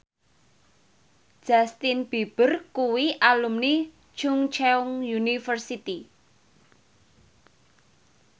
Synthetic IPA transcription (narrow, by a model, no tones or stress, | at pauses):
ʒ̥ast̪inb̥ib̥ərkuwiʔalumni̥ | t͡ʃʊŋt͡ʃɛʊŋjunifərsit̪i